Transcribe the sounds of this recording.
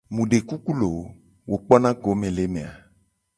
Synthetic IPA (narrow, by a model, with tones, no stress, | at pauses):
mũ˨ɖe˨ku˦ku˦lo˨˦ | wʔo˨k͡pɔ˦nã˦ɡo˨˦mẽ˨le˨˦mẽ˨a˨